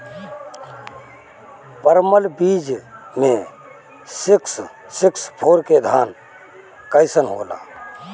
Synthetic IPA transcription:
pəɾməlbid͡ʒmẽ | siks | sikspʰoɾked̪ʱaːn | kəɪsənɦo̰ːla̰

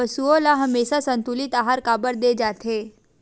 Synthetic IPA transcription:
əsuolaɦəmesasənt̪ulit̪aɦaɾkabəɾd̪ed͡zat̪ʰe

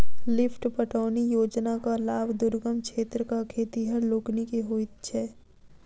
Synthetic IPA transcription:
lɪpʰʈpəʈʰaːnijoːd͡ʒnakalaːbʱd̪ʊɾɡəmkʃʰeːt̪ɾəkakʰeːt̪iɦəɾloːknikeɦoːɪt̪̚t͡ʃʰɛː

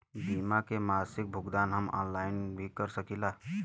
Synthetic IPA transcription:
biːmakemaːsɪk̚bʱʊɡd̪aːnɦəmɔ̰ːnlaːɪnbʱikəɾsəkilaː

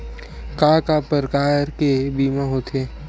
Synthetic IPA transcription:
kaːkapəɾkaːɾkebiːmãɦot̪ʰeː

